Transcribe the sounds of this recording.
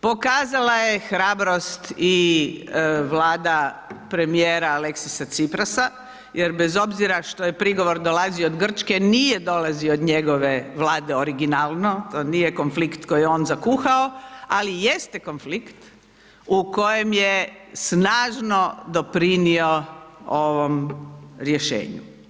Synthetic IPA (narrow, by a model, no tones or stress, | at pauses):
po̞kaːzalaje̞xɾaːbɾo̞st̪i | ʋlaːd̪apɾe̞mijeːɾaaleksisat̪sipɾasa | jeɾbezo̞bziɾaʃt̪ojepɾiɡo̞ʋo̞ɾd̪o̞lazioːd̪ɡr̩t͡ʃke̞nijed̪o̞laziood̪ɲeɡo̞ʋe̞ʋlaːd̪e̞oɾiɡinaːlno̞t̪o̞ːnijeko̞nflikt̪ko̞jeo̞ːnzakuxaoalijest̪e̞ko̞nflikt̪ | uko̞je̞mjesnaːʒno̞d̪o̞pɾinio̞oʋo̞mɾje̞ʃḛːɲṵ